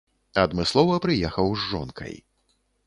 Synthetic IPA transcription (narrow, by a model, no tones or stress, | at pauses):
ɐd̪mɨslˠɔvɐpɾɨjɛxɐwzʐɔ̰nkʰɐ̰j